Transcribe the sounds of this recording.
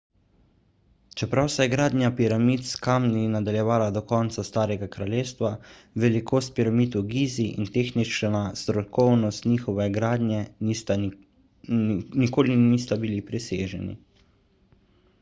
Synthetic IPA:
t͡ʃɛpɾawsɛjɛɡɾaːd̪nʲjapiɾamiːt̪skamninad̪aljɛʋaːlad̪ɔkɔːnt̪sast̪aːɾɛɡakɾaljeːst̪ʋa | ʋɛlikoːst̪̚piɾamiːt̪uɡiːziʔḭnt̪eːxnit͡ʃnast̪ɾɔkɔwnɔst̪niːxɔʋɛɡɾaːd̪nʲjɛ | nikoːliniːst̪abilipɾisḛːʒɛ̰nḭ

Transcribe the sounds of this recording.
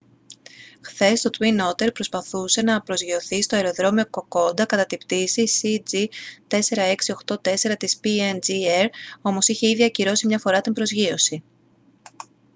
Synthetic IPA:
xθe̞st̪o̞t̪wino̞t̪e̞ɾpɾo̞spɐθuse̞nɐpɾo̞zʝio̞θist̪o̞eɾo̞ðɾo̞mioko̞ko̞nd̪ɐkɐt̪ɐt̪ipt̪isisid͡zit̪e̞se̞ɾɐe̞ksio̞xt̪o̞t̪e̞se̞ɾɐt̪ispiend͡zieɾo̞mo̞siçe̞iðiɐciɾo̞simɲɐfo̞ɾɐt̪imbɾo̞zʝio̞si

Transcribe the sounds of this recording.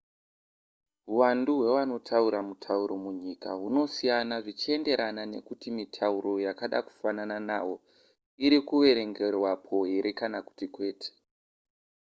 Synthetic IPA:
ɦuwanduɦwe̞ʋano̞tʰauɾamutʰauɾo̞muɲikaɦuno̞sijanaʐit͡ʃie̞nde̞ɾanane̞̰kutimitʰauɾo̞jakaɗa̰ku̥fanananaːwo̞ | iɾikuʋe̞ɾe̞ŋɡe̞rwapʰo̞ɦe̞ɾʔe̞kanaku̥tikwe̞ːtʰe̥

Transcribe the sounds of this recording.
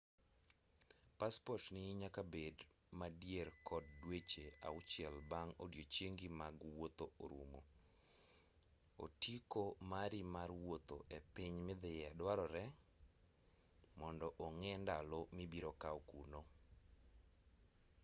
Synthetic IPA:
paspɔtnɪɲakabed | madjeɾkʰɔdːwet͡ʃea̰ʊt͡ʃɪɛlbaŋodjot͡ʃeŋɡimaɡwot̪ooɾṵmo̰ | o̰tikomaɾimaɾwot̪oʔepɪɲmɪd̪ɪjadwaɾɔɾɛ | mɔndɔʔoŋɛndalɔmibiɾokaɔkuno

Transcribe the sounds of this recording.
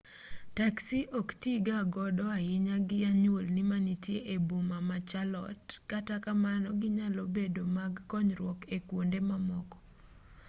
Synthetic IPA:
taksiʔɔktiɡaɡɔdɔajɪɲaɡɪaɲwolnɪmanitjeʔebomamat͡ʃalɔ̰tkatakamanɔɡɪɲalɔbedomaɡkɔɲɾwɔkekwondemamɔkɔ̥

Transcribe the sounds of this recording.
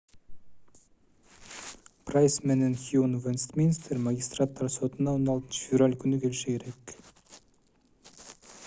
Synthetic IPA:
pʰrajsmenenxjunvenst̪minst̪ʰeɾmaɡʲist̪rat̪ːɑɾso̞t̪ənɑonɑlˠt̪ənʃə̥fʲevralʲkʲʰʏnɪkʲʰe̞lʃɪkʲʰe̞ɾek

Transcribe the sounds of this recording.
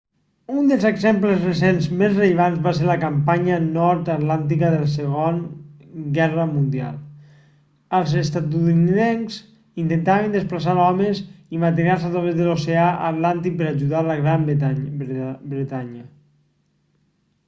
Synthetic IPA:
und̪əlˠzeɡzempləzresenzmezreʎəβanzβaseɾləkampaɲənɔɾt̪ət̪lant̪ikəðələsəɣon | ɡɛrəmund̪ia̰lˠ | əlˠzest̪at̪uniðenz | int̪ent̪aβənd̪əsplasaɾɔmezimant̪inaɾsat̪ɾaβezðəloseaʔə̰t̪lant̪ik̚pəɾaʒuðaləɣɾama | bɾet̪aɲə

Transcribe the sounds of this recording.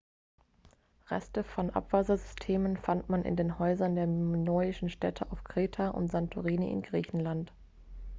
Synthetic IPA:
ʁɛ̰stəfɔnʔa̰pv̥aːzɐzʏstʰeːmənfantmanʔɪ̰ndeːnhɔʏzɐndeːɐnɔʏɪʃn̩ʃtɛtʰəʔaʊfkʁ̥eːtʰaʔʊ̰ntz̥antʰuʁiːnḭʔɪ̰nɡʁiːçn̩lant

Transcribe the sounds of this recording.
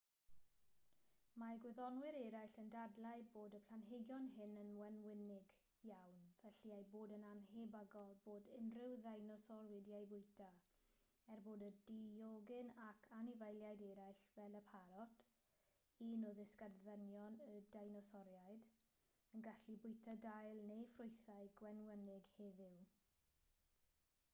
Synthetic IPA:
maɡwɪðɔnwɪɾɛɾajɬəndadlˠajboːdəpʰl̥ˠanɦeɡjɔnɦɪnənwɛnwɪnɪɡ | jawnvɛɬiajboːdənanhebaɡɔlˠboːdɪnrɪwðajnɔsɔrwɪdjajbʊjtʰa | ɛrboːdədijoɡɪnakʰanɪvajlˠjajdɛɾajɬvɛlˠəpʰaɾɔt | inoðɪskarðənjɔnədajnɔsɔɾjajd | ənɡaɬibʊjtʰadajlˠnejfrʊjθajɡwɛnwənɪɡheːðɪw

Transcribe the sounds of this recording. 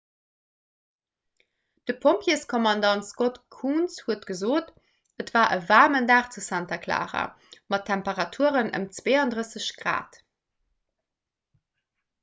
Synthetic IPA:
d̥əpʰompʰjiəskʰɔmɑndɑntskotkʰuːnshuətɡ̥əzoːt | ətv̥aːʔəvaːʁməndaːχt͡susæntɐkʰla̰ːʁɐ̰ | mɑtʰːæmpəʁɑtʰuəʁənə̰mt͡sveːɑndʁəsəɕɡ̥ʁa̰ːt

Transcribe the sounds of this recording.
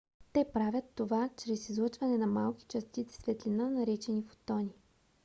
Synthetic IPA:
t̪ɛpɾavʲɐt̪ːovat͡ʃɾɛsizlˠɤt͡ʃvɐnɛnɐmalˠki̥t͡ʃɐst̪it̪sɛ̥svɛt̪linənɐɾit͡ʃɛnifo̥t̪ɔni

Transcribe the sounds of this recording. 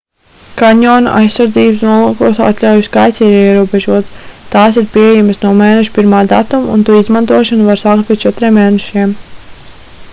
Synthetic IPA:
kaɲɔːna̰ʔa̰jsːaɾd̪ziːbəsnuɔlˠukuɔsa̰t̪lʲawjuskajt̪siːɾiɛɾuɔbɛʒuɔt̪st̪aːs̬iɾpiɛjaməsnuɔmeːnɛʃu̥piɾmaːd̪a̰t̪umṵnt̪uizmant̪uɔʃɔnuvaɾsaːk̚t̪pʲit͡ʃɛt̪ɾʲieːmːeːnɛʃim

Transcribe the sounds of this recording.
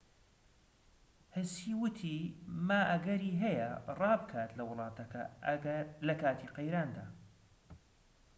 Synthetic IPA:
hɪsiːwʊt̪ʰiːmaːʔɐɡɐɾiːɦɐjɐrɑːbɨkʰaːt̪lɐwʊlˠɑːt̪ʰɐkɐ̰ | lɐkaːt̪ʰiːqejɾaːnd̪aː

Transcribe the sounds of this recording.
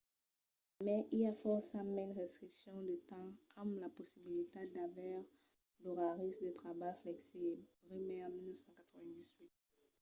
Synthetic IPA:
mɛʔiafɔʁsamɛnʁɛst̪χiksjɔ̃d̪ət̪ɑ̃amlaposibilit̪ed̪avɛʁ | doʁaʁisd̪ət̪χabajflɛksibʁimɛ̃milnəfsɑ̃kat̪χəvɛ̃d̪izwit̪̚

